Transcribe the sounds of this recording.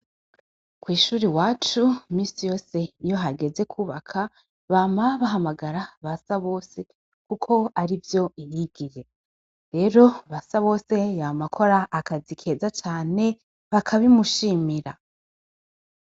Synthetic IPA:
kwiːʃuːɾiwaːt͡ʃumiːsijo̞ːse̞ijo̞ɦaɡe̞ze̞kʰuːβakʰa | βaːmaβaɦamaɡaɾaβasaβo̞ːse̞ | kukʰo̞aɾivjo̞ijiɡ̥iɾe̞ | ɾe̞ːɾo̞βasaβo̞ːse̞jamakʰo̞ɾaːkazikʰe̞ːzat͡ʃaːne̞ | βakʰaβimuʃiːmiɾa

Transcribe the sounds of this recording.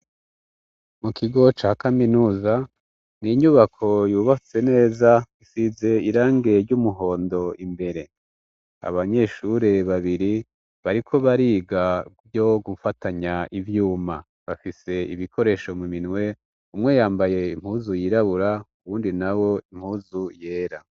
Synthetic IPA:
mukʰiɡo̞t͡ʃaːkaminuːza | niɲuβakʰo̞juːβat͡se̞ne̞ːzaisize̞iɾaːŋɡe̞ɾɟumuɦo̞ːndo̞imbe̞ɾe̞ | a̰βaɲe̞ʃuɾe̞βaβiɾi | βaɾikʰo̞βaɾiːɡaβjo̞ɡufataɲaʔivjuːma̰ | βafise̞ḭβikʰo̞ɾe̞ʃo̞muminwe̞ | umŋe̞jaːmbaje̞im̥huːzujiɾaβuɾauβuːndinawo̞im̥huːzuje̞ːɾa

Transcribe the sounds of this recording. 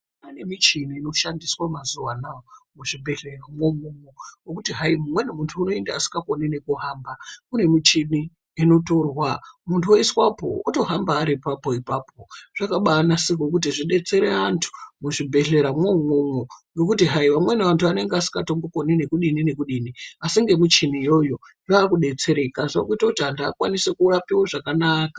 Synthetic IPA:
ane̞mit͡ʃiniːno̞ʃandiswamazuwanaomuʐibʱe̞ɮe̞ramwo̞momowokutiɦaimumwe̞nemuntʰuːno̞endaːsi̥kakonine̞kuɦambakune̞mit͡ʃiniː | no̞to̞rwamuntʰuoiswapo̰uto̞ɦambaːɾipapo̞ipaːpo̞ʐ̥akaɓaːnasikok̬ut̬iʐiɗe̞t͡se̞ɾe̞antʰu̥muʐibʱe̞ɮe̞ɾamwomomwoŋɡe̞k̬utiɦajiʋamwe̞neʋantʰuane̞ŋɡeasi̥kato̞mboko̞nine̞kuɗinine̞kuɗiniasiŋɡe̞mut͡ʃinijo̞jo̞ | jaːkuɗe̞t͡se̞ɾe̞kazʋakuitautandaa̰kwanisekurapiwoʐakanaːkḁ

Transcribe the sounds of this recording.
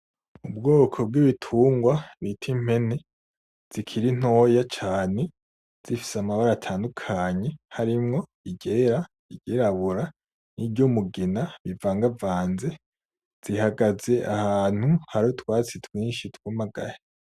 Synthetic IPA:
ubɡoːkʰo̞b̚ɡiβitʰuːŋɡwaβitʰim̥he̞ne̞ | z̥ikʰiɾin̥o̞ːjat͡ʃaːne̞ | z̥ifi̥samaβaɾatʰaːndukʰaːɲe̞haɾimŋo̞ | iɟe̞ːɾa | iɟeɾaβuɾa | nibɟumuɡinaβivaːŋɡavaːnze̞ | z̥ihaɡaze̞ʔahaːn̥huhaɾotwaːt͡sitwiːnʃitwumaɡa̰ɾe

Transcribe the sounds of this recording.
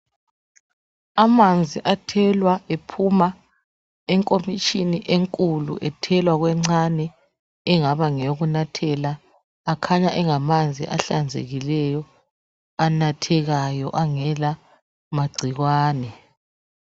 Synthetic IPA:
amand͡zʱiʔatʰɛlwaepʰuma | ɛŋkʼomit͡ʃʼiniʔeŋkʼulṵʔɛtʰɛlwaɣwɛŋ͡ǀanɛː | ŋaβaŋɛjoɣunatʰɛlaː | kʰaɲaʔɛŋamand͡zʱḭʔaɬand͡zʱḛɣilɛjɔ | anatʰɛɣajɔʔaŋɛla | maɡ͡ǀʱiɣwaːnɛ

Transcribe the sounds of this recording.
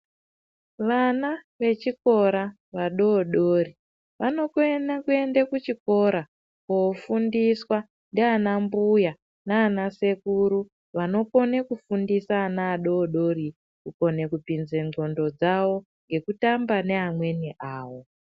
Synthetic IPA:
ʋana | ʋe̞t͡ʃiko̞ɾa | ʋaɗo̞ːɗori | ʋano̞kuenakue̞ndekut͡ʃiko̞ɾa | kofundiswa | ndeanambuja | naːnase̞kuɾu | ʋano̞ko̞ne̞kufundisaːnaːɗo̞ːɗo̞ri | kuko̞ne̞kupinze̞o̞ndo̞d͡zawo̞ | ŋɡe̞kutambane̞amwe̞niʔaːwo̞

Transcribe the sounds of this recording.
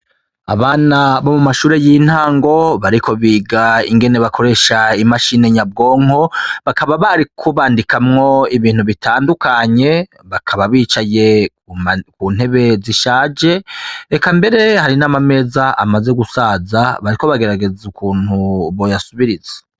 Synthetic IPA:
a̰βaːnaβo̞mumaʃuːɾe̞jin̥haːŋɡo̞βaɾiko̞βiːɡaiŋɡe̞ne̞βakʰo̞ɾe̞ʃaimaʃine̞ɲab̚ɡo̞ːŋo̞βakʰaβaβaɾikʰoβaːndikamŋo̞iβiːn̥huβitʰaːndukaɲe̞ | βakʰaβaβiːt͡ʃaje̞ | kun̥he̞βe̞ziʃaːd͡ʒe̞ekambe̞ɾe̞haɾinamame̞ːzaa̰maze̞ɡusaːzaβaɾiko̞βaɡe̞ɾaɡe̞zukʰuːn̥huβo̞jasuβiɾize̥

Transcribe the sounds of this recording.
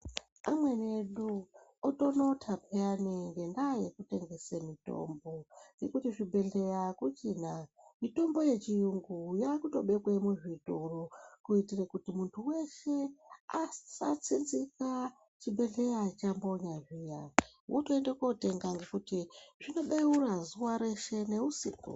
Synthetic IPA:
amwe̞ne̞ɗuoto̞no̞tʰapʰeaniŋɡe̞ndajekute̞ŋɡe̞semito̞̰mbo̞ŋɡe̞kutiʐibʱe̞ɮe̞jakut͡ʃina | mito̞mbo̞je̞t͡ʃijuŋɡujakuto̞ɓe̞kwemuʐitorokuitirekutimuntʰuwe̞ʃe̞asat͡sinzika | t͡ʃibʱe̞ɮe̞jat͡ʃambo̞ɲaʐija | wʔotoendekote̞ŋɡaŋɡe̞kutiʐino̞ɓeurazuwaɾe̞ʃe̞ne̞usḭkṵ

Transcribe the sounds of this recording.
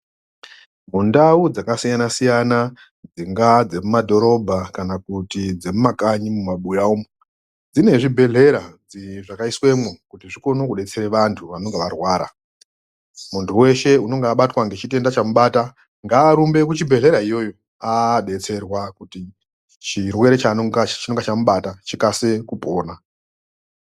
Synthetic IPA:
mundaud͡zakasijanasijana | d͡ziŋɡad͡ze̞mumadʱo̞ɾo̞bʱakanakutid͡zemumakaɲimumaɓujaumu | d͡zine̞ʐibʱe̞ɮe̞ɾad͡ziʐakaiswe̞mwokutiʐiko̞nokuɗe̞t͡se̞ɾeʋantʰuʋano̞ŋɡeʋarwaːɾa̰ | muntʰuwe̞ʃe̞uno̞ŋɡeaɓatwaŋɡet͡ʃite̞ndat͡ʃamuɓata | ŋɡaːɾumbe̞k̬ut͡ʃibʱe̞ɮe̞ɾaijo̞ːjo | aɗe̞t͡se̞rwakuti | t͡ʃirwe̞ɾet͡ʃaoat͡ʃinoŋɡat͡ʃamuɓatat͡ʃikase̞kupoːna

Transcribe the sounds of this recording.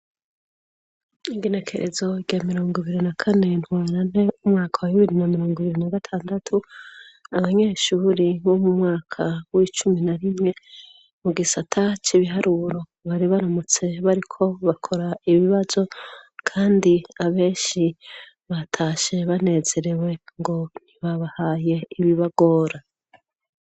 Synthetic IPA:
iɡene̞kʰe̞̰ɾʔḛzo̞ɟamiɾo̞ːŋɡiβiɾinakʰane̞n̥hwaːɾan̥e̞umŋaːkʰawaβiβiɾinamiɾo̞ːŋɡiβiɾinaɡatʰaːndatʰu | aβaɲe̞ːʃuːɾiβo̞mumŋaːkʰawit͡ʃuminaɾimŋe̞ | muɡisatʰat͡ʃiβiɦaɾuɾo̞ | βaɾiβaɾomot͡se̞βaɾikʰo̞βakʰo̞ɾaiβiβazo̞kʰaːndiaβe̞ːnʃi | βatʰaːʃe̞βane̞z̥e̞ɾe̞we̞ŋɡo̞n̥iβaβahaːje̞iβiβaɡo̞ːɾa

